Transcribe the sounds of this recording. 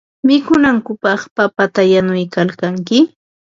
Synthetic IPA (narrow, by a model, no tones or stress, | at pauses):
mɪkʊnaŋkʊpɑχpapat̪ajanʊjkalkaŋkɪ